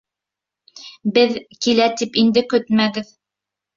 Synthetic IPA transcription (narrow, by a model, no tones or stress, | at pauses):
bɘðkilæt̪ipind̪ɘkɵt̪mæɡɘð